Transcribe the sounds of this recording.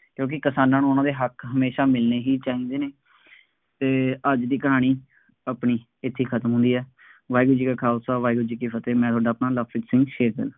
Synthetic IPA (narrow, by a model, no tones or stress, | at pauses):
kjõːk̬ɪkəsaːnãːnũːʊnãːd̪eːɦəkɦəmeːʃaːmɪlneːɦiːt͡ʃaːĩːnd̪eːneː | t̪eːəd͡ʒd̪iːkəɦaːɽ̃iː | apɳiː | ɪt̪ʰːiːkʰət̪əmɦʊ̃nd̪iːɛː | ʋaːiːɡʊd͡ʒiːkaːkʰaːʊsaːʋaːiɡʊd͡ʒiːkeːpʰət̪eːmɛ̃ːt̪ʊaːɖaːpnaːləpɾɪʈsɪ̃ŋɡʃeːɾkə̰a